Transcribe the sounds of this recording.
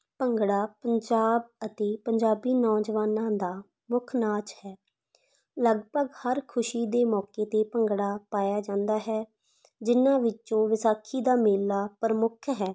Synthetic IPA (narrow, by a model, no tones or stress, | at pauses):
pəŋɡɽaːpəɲd͡ʒaːb̚ət̪eːpəɲd͡ʒaːbiːnɔ̃ːd͡ʒʋaːnãːd̪aː | mʊkʰnaːt͡ʃhɛː | ləɡbəɡhəɾkʰʊʃiːd̪eːmɔːkeːt̪eːpəŋɡɽaːpaːjaːd͡ʒãːnd̪aːɦɛː | d͡ʒɪnãːʋɪt͡ʃõːʋɪsaːkʰiːd̪aːmeːlːaːpəɾəmʊkʰɦɛː